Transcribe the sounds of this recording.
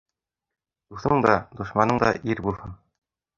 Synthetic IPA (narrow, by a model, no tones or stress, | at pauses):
d̪uθɤɴd̪ɑd̪uʃmɑnɤɴd̪ɑ̰ʔiɾbulˠhɤn